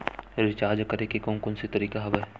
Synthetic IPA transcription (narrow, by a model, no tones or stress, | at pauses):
ɾɪt͡ʃaːɾd͡ʒkɐɾekekõːnkʊnsit̪ɐɾiːkaɦɐʋə